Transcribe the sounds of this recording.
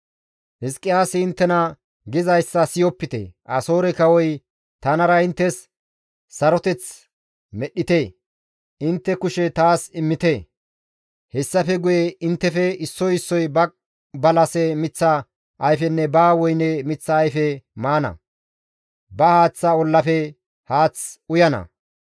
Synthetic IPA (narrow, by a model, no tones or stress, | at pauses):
hɪskʼːɪjaːsɪɪnt̪ːɛnɐ | ɡɪzɐjsːɐsɪjɔpːɪt̪ḛʔɐso̞ːɾɛkɐwɔj | t̪ɐnɐɾɐɪnt̪ːɛsː | ɐɾɔt̪ɛt͡s | mɛɗːɪt̪eː | ʔɪnt̪ːɛkʊʃɛt̪aːsɪmːɪt̪e | hɛsːɐfɛɡʊjeɪnt̪ːɛfɛɪsːɔjɪsːɔjbɐk̚ | bɐlɐsɛmɪt͡sːɐ | ʔːjfɛnːɛbaːwɔjnemɪt͡sːɐːjfɛmaːnɐ̰ | bɐhaːt͡sːɐɔlːɐfɛ | haːt͡sʊjɐnɐ̰